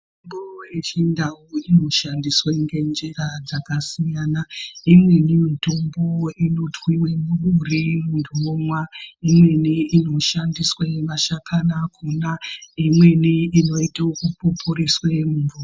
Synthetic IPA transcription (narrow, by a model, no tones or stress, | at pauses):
tombojet͡ʃindawuino̞ʃandisweŋɡe̞nd͡ʒerad͡zakasijanaimwe̞nimitombo̞ino̞tʰwiwemururimunduomwaimwe̞niino̞ʃandisweʋaʃakʰanakʰunaimwe̞niino̞itaokupopʰuriswemuvuro